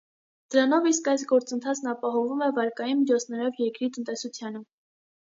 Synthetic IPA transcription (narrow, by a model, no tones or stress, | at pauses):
d̪̥əɾɑnɔviskɑjs̬ɡɔɾt͡sənt̪ʰɑt͡sʰnɑpɑɦɔvumɛvɑɾkɑjinmit͡ʃʰɔt͡sʰnɛɾɔvjɛɾkɾit̪ənt̪ɛsut͡sʰjɑnə